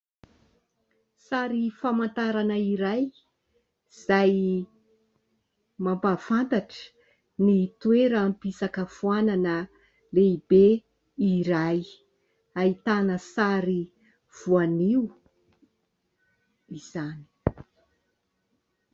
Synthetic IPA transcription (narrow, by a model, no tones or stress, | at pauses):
saɾifamant̪aɾanəiɾaj | z̥aj | mambafant̪aʈ͡ʂə̥ | nit̪ueɾəːmpisakəfuananə | leibe | iɾaj | ait̪anəsaɾi | v̥uaniu | iz̥ani̥